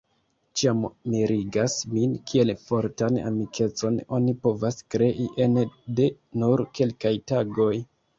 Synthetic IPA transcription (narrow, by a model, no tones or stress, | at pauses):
t͡ʃiammiɾiɡasminkʰie̞lfo̞ɾtana̰mikʰe̞t͡so̞no̞nipo̞vaskɾe̞ʔiʔe̞nde | nuɾke̞lkajtaɡo̞j